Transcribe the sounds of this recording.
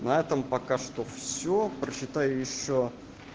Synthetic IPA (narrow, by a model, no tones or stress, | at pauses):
nɐɛt̪əmpɐkaʂt̪ofsʲopɾəɕːɪt̪ajʊjɪɕːo